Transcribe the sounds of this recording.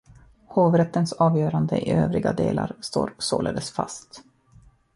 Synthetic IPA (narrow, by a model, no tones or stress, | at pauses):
hoːvɾɛt̪ːənsɑːvjœːɾand̪əʔɪøːvɾɪɡad̪eːlaɾst̪o̰ːɾsoːləd̪əsfast̪